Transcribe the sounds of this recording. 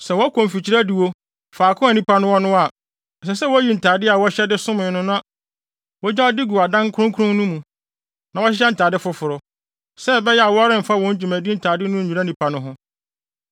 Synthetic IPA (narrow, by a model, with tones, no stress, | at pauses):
sɛ˨wɔ˦kʰɔ̃˨m̩˨fi˨t͡ɕʰi˨˦ɾæ˦di˨wo˦ | faː˨kʰʊ̃˦a˨nĩ˦pʰa˦nʊ̃˦wɔ˦nʊ̃˦a˨ | s̬ɛ˨s̬ɛ˦wɔ˦ji˦˨n̩˨tʰaː˨dɪ˦a˨wɔ˦ɕɛ˦dɪ˦sʊ̃˦mɪ̃˨˦nʊ̃˦nʊ̃˦a˨ | wɔ˦d͡ʑa˦ɔ˦di˦ɡu˨a˨dã˦ŋkʰɾʊ̃˦ŋ˦kʰʊ˦ɾʊ̃˦ŋ˦nũ˦mũ˨ | nã˨wɔ˦ɕɪ˦ɕɛ˦n̩˨tʰaː˨dɪ˦fʊ˨fʊ˨ɾʊ˨ | sɛ˦bɛ˦jɛ˦a˨wɔ˦ɾɪ̃˦m̩˨fa˦wɔ̃˦ɲ˦d͡ʑi˨mæ̃˨di˦n̩˨tʰaː˨dɪ˦nʊ̃˦˨ũ˨a˦˨nĩ˨pʰa˨nʊ̃˦ɦʊ̃˦